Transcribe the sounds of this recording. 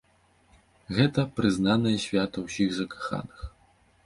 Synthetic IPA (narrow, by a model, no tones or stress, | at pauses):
ɣɛt̪ɐpɾɨznanɐjɐsʲvʲat̪ɐwsʲiɣzɐkḁxa̰nɨx